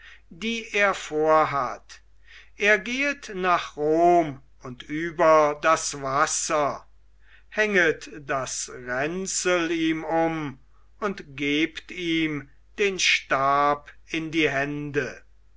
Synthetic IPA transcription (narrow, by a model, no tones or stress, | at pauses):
d̥iːʔeːɐfoːɐɦat | ʔeːɐɡeːətnaːχʁoːm | ʊntyːbɐdasvasɐ | hɛŋətd̥asʁɛnt͡səliːmʊm | ʊntɡ̥eːptiːm | d̥eːnʃtaːp | ɪndiːɦɛndə